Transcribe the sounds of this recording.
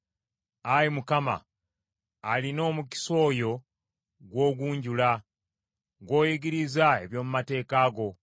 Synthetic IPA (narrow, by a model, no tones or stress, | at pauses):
ajimukama̰ː | lino̞ːmuki̥so̞ːjo̞ | ɡwo̞ːɡuːɲɟula | ŋɡo̞ːjiɡiɾizae̞̰βjo̞ːmumate̞ːkaːɡo̞